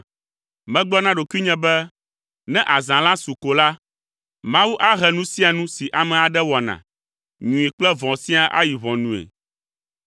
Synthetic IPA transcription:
mɛ̃˦ɡ͡bɔ˦nã˦ɖo˨kwi˦ɲɛ̃˦bɛ˦ | nɛ̃˦ʔa˨zã˨lã˦su˨ko˨la˦ | mã˦wu˦ʔa˦ɦɛ˨nũ˦sĩ˦a˨nũ˦si˨ʔa˨mɛ̃˨a˨ɖɛ˦wɔ˨nã̰˨ | ɲũ˨i˨k͡plɛ˦vɔ̃˨sĩ˦a˨ʔa̰˦ji˨βɔ̃˨nũ˨ḛ˨

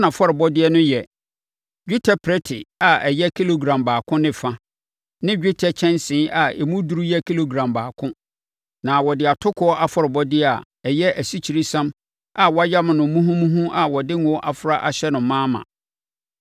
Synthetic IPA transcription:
nã˨fɔ˦ɾɪ˨bɔ˦dɪ˦ɛ˦nʊ̃˦jɛ˨ | d͡ʑᶣu˦tʰa˨pʰɾɛ˦tʰɪ˨a˨ɛ˨jɛ˦kʰi˦lo˨ɡɾã˨mbaː˨kʰʊ̃˦nɪ̃˦fã˦ | nɪ̃˦d͡ʑᶣu˦tʰɛ˨t͡ɕʰɛ̃˦nsɪ̃˦ʔa˨ḛ˨mũ˦du˦ɾu˦jɛ˦kʰi˦lo˨ɡɾã˨mbaː˨kʰʊ̃˦ | nã˨wɔ˨dɪ˨a˨tʰʊ˦kʰʊ˨˦ɔ˦ʔa˦fɔ˦ɾɪ˨bɔ˦dɪ˦a˨ | ɛ˨jɛ˦ʔæ˨si˦t͡ɕʰi˨ɾi˦sã˦m | a˨wɔ˦a˦ja˦m˨nʊ̃˨˦mũ˦ɦũ˦mũ˦ɦũ˦ʔa˨wɔ˨dɪ˦ŋ˦ɔ˦ʔa˨fʊ˦ɾa˦ʔa˨ɕɛ˦nʊ̃˨˦mãː˦mã̰˨

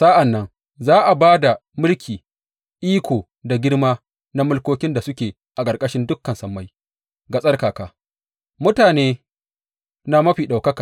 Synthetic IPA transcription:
sa˦ʔa˨nːɐ˦ŋ | zaː˦ʔa˨baː˦da˨mʊ˦lkʲʰiː˨ | ʔiː˦kʷoː˨ | da˨ɡʲɪ˦ɽmaː˦ | na˦mʊ˦lkʷoː˦kʲɪ˦nda˨sʊ˦kʲeː˨ | ʔa˨kʼɐ˨rkʼɐ˦ʃɪ˦ndʊ˦kːɐ˨nsɐ˨mːa˦j | ɡa˨sʼɐ˦rkaː˨kaː˨ | mʊ˦taː˨neː˦ | naː˨mɐ˦ɸiː˨ɗa˨wkɐ˦ka˨

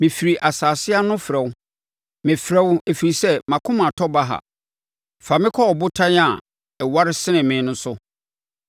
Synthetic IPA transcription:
mɪ̃˨fi˨ɾi˨ʔa˨saː˨sɪ˦a˦nʊ̃˦fɾɛ˨wʊ˦ | mɪ̃˨fɾɛ˦we˨fi˨i˨sɛ˦mã˨kʰʊ̃˦mã˨tʰɔ˦ba˦ɦa̰˨ | fa˨mɪ̃˦kʰɔ˦ɔ˨bʊ˦tʰã˦n˦a˨ | ɛ˨wa˦ɾɪ˦sɪ˦nɪ̃˨mɪ̃˨˦nʊ̃˦sʊ˦

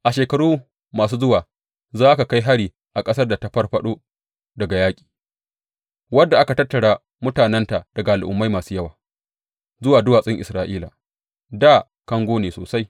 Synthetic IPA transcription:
ʔa˨ʃeː˨kɐ˨ɽuː˦ | maː˨suː˦zʊ˦waː˨ | zaː˦ʔa˦ka˨ka˦jɦa˦ɽiː˨ | ʔa˨kʼɐ˦sɐ˦rda˨ta˦ɸɐ˦rɸɐ˦ɗoː˦ | dɐ˨ɡa˨jaː˦kʲʼi̥ː˨ | wɐ˦dːa˨ʔa˦ka˨tɐ˦tːɐ˨ɽaː˦ | mʊ˦taː˨nɛ˦nta˨d̥ɐ˨ɡa˨ʔa˨lʔʊ̰˨mːa˦jmaː˨suː˦jɐ˦waː˨ | zʊ˦waː˨dʊ˦waː˨sʼɪ˦ŋʔɪ̰˨sɾaː˦ʔiː˦la̰ː˨ | daː˦˨ | kɐ˦ŋɡʷoː˦neː˨soː˨sa˦j

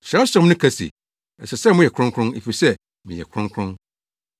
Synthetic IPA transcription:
ɕɾɛ̃˦ssã˦mnʊ̃˦kʰa˦sḭ˨ | ɛ˨sɛ˨sɛ˦˨mʊ̃˦jɛ˨kʰʊ̃˦ŋkʰɾʊ̃˦nḭ˨fi˨sɛ˦ | mĩ˨jɛ̰˨kʰɾʊ̃˦ŋkʰɾʊ̃˦n

